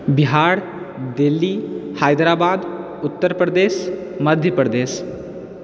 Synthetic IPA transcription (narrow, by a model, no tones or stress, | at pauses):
biɦaɽ | d̪elːihajd̪ɾabad̪ | ut̪ːəɾpɾəd̪esməd̪ʱjəpɾəd̪es